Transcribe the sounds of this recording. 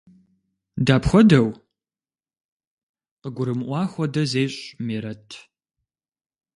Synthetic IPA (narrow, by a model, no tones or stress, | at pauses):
daːpxʷɔdɐw | qəɡʷʊɾɨmʔʷɑːxʷɔdɐzeːɕʼmiːɾɐtʰ